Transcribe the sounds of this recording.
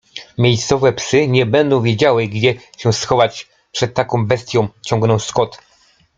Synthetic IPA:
mʲjejst̪sɔvɛpsɘɲɛbɛnd̪ɔ̃w̃vʲjed͡ʑawɘɡd͡ʑɛɕɛsxɔvat͡ɕ | pʂɛt̪ːakɔ̃w̃bɛst̪ʲjɔ̃w̃t͡ɕɔ̃ŋɡnɔ̃w̃skɔt̪

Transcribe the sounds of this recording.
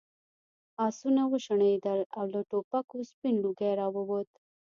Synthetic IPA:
ɑsunawəʃəɳed̪əlawləʈopakospinluɡajɾɑwəwot̪

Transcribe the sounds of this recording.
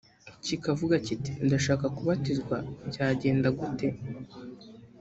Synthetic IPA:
cikavuɡaciti̥ndaʃaːkakuβatizɡwabɟaːɟe̞ːndaɡute̞

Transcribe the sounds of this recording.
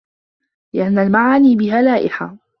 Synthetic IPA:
lɪʔanːalmaʕaːniːbɪɦaːlaːʔɪħa̰

